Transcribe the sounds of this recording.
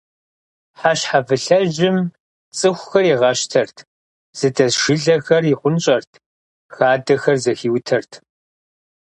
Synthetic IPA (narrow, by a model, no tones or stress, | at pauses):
ħaɕħavɨɬɐʒɪm | t͡sʼɨxʷʊxɐriʁɐʃtʰɐrtʰ | z̥ɨdɐzʃɪɮɐxɐriχʷʊnɕʼɐrtʰ | xaːdɐxɐrzɐxiːwtʰɐrtʰ